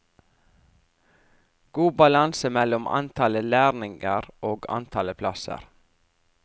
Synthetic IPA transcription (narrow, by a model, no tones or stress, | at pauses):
ɡ̥uːbɑlɑnsəmɛlɔmɑ̰nt̪ʰɑləlæːɾnɪŋəɾʔoːɡɑ̰nt̪ʰɑləpʰlɑsə̰ɾ